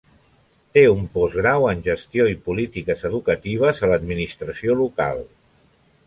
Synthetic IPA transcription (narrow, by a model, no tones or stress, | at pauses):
t̪eumpɔzɣɾawənʲʒəst̪ioipulit̪ikəzəðukət̪iβ̞əzələd̪minist̪ɾəsioluka̰lˠ